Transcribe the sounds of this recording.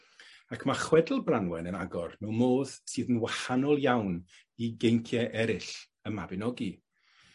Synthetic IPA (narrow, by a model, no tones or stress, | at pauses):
akʰmaχwɛdl̩ˠbranwɛnənaɡɔrnowmoːðsɨːðənwahanɔlˠjawn | iɡejŋkʰjɛʔɛɾɪɬ | əmabɪnɔɡi